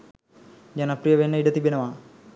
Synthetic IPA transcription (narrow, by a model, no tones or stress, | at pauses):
d͡ʑɐnɐpɾijɐʋenːɐiɖɐt̪ibinɐʋaː